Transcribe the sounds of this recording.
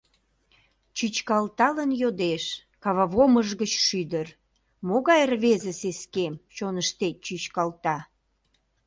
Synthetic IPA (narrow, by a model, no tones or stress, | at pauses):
t͡ɕyt͡ɕkɑlt̪ɑlənjod̪eʃ | kɑβɑβoməʒɣət͡ɕʃyd̪ər | moɣɑjrβezəseskemt͡ɕonəʃt̪et͡ɕyt͡ɕkɑlt̪ɑ